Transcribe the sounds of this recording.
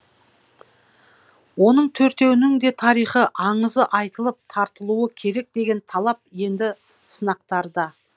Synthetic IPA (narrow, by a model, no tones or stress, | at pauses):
wo̞nəɴt̪ʰɵɾt̪e̞wɪnɪŋd̪e̞t̪ʰɑɾijχəʔɑɴəzəʔɑjt̪əlˠəp̚t̪ʰɑɾt̪əlˠuəkʲʰe̞ɾe̞k̚d̪e̞ɡʲe̞nt̪ʰɑlˠɑp̚je̞nd̪ɪ | sənɑq̚t̪ɑɾd̪ɑ